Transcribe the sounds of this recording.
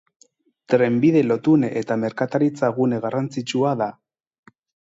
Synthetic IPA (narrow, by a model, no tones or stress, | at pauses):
t̪ɾe̞mbiðe̞lo̞t̪unet̪ame̞ɾkat̪aɾit͡saɣuneɣarant͡sit͡ʃuaða